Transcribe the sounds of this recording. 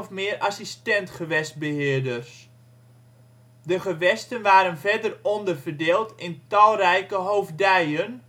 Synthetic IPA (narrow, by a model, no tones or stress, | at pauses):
fmɪərʔasistɛntχəʋɛst̚bəɦɪːədərs | dəχəʋɛstənʋaːɾənvɛdərɔndərvərdeːlˠtɪntɔlˠrɛjkəɦoːvdɛjən